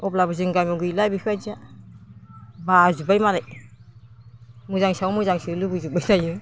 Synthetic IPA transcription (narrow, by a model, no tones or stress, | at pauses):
ɔplabɯziŋɡajmɔɡɯjlajbikʰajd͡ʒia | bazubajmaɾaj | muzaŋsawmuzaŋsilɯbuzubajzajɯ